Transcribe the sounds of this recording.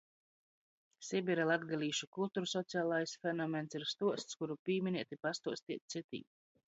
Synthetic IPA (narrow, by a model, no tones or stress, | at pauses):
sʲibʲiɾɛlˠad̪ɡalʲiːʃukulˠt̪uːɾusɔt̪siaːlˠajsfɛnɔmɛnsiɾst̪uɔst̪skuɾupʲiːmʲinʲiɛt̪ipast̪uɔst̪iɛt̪̚ʲt̪sit̪ḭː